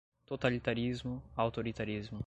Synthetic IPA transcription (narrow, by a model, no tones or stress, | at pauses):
t̪ot̪alit̪aɾizmʊawt̪oɾit̪aɾizmʊ